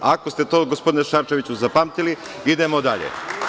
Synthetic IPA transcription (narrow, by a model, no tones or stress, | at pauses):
akost̪e̞t̪o̞ːɡospo̞d̪ineʃaɾt͡ʃe̞ʋit͡ɕuzapamt̪ili | id̪e̞mo̞d̪aʎḛ